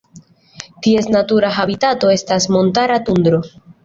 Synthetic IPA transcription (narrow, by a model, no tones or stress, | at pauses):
tie̞snatuɾaɦabitato̞e̞stasmo̞ntaɾatund̪ɾo